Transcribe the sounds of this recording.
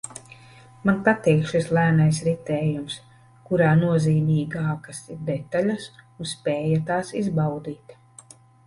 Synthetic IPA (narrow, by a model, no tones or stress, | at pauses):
manpat̪iːkʃislˠæːnajs̬ɾit̪ɛːjums | kuɾaːnuɔziːmiːɡaːkasiɾd̪ɛt̪alʲasunspʲɛːjat̪aːsizbawd̪iːt̪